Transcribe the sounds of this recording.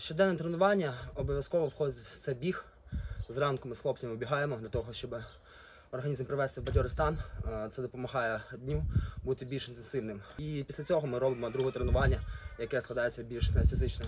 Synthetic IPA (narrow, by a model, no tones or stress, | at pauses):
ʃt͡ʃɔd̪ɛnːɛt̪ɾenʊʋɑnʲːɐɔbɔʋʲjɐskɔʋɔʋxɔd̪ɪt̪sɛbʲix | zrɑnkʊmɪsxlˠɔpt͡sʲɐmɪʊbʲiɦɑjemɔd̪lʲɐt̪ɔɦɔʃt͡ʃɔbɪ | ɔrɦɐnʲizmpɾɪʋɛst̪ɪwbɐtʲɔɾɪst̪ɑnt̪sɛd̪ɔpɔmɐɦɑjɛd̪ʲnʲubut̪ɪbʲilʲʃɪnt̪ensɪlʲnɪmipʲi̥sʲlʲɐt͡sʲɔɦɔmɪɾɔbɪmɔd̪ɾuɦɔt̪ɾenʊʋɑnʲːɐjɐkɛsklˠɐd̪ɑjet͡sʲːɐbʲilʲʃnɛfʲizɪt͡ʃnɪm